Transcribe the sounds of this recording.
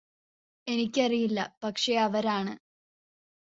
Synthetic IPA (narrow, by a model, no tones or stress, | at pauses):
e̞nikʲːɐrijilːɐpɐkʂe̞ɐʋɐɾaːɳɨ